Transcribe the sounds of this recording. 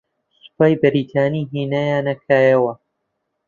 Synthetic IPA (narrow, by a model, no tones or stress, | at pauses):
sʊ̥paːjbɨɾiːt̪ʰaːniːɦiːnaːjaːnɐkʰaːjɐwɐ